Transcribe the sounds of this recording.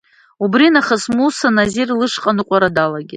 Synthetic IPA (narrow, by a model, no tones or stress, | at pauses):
ubrinaχəsmusanazirlɨʂqʼanɨqʷʼaɾadalaɡʲit